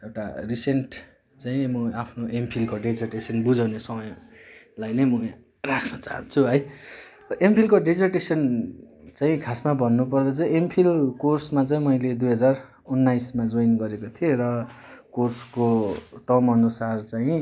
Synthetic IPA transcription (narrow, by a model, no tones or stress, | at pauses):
ewʈa̰risenʈ | t͡saĩmʌapʰnoempʰilkoɖed͡zerʈesʌnbud͡zawnesʌmʌjlajnʌjmʌ | rakʰnʌt͡sa̰ɦʌ̰nt͡sʰuɦʌj | ʌʔempʰilkoɖed͡zʌrʈesʌn | t͡saĩkʰasmabʱʌnːup̬ʌrd̪ʌt͡saĩempʰilkorsmat͡saĩmʌjled̪ujɦʌd͡zar | unːajsmad͡zojnɡʌɾekot̪ʰieɾʌkorskoʈʌmʌnusart͡saĩ